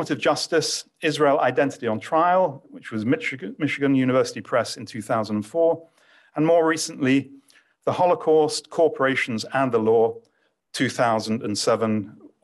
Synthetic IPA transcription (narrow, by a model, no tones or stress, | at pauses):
məɾɪvd͡ʒʌstɪs | ɪzɹeɪlˠʔa̰ɪdɛ̃ntɪ̥tiə̃ntʰɹ̥aɪəlˠwɪt͡ʃwɒzmɪmɪʃɪɡə̃njʉñɪvɜˑsɪ̥tipʰɹ̥ɛsɪ̃n̩tʰʉːθaʊzə̃ndə̃nfɔːɹ | ə̃nmɔːɹiˑsə̃n̩ʔli | ðəhɒlˠəkʰɔˑstkʰɔɹpʰəɹeɪʃə̃n̩zə̃nðəlɔː | tʰʉːθaʊzə̃n̩də̃nsɛvə̃n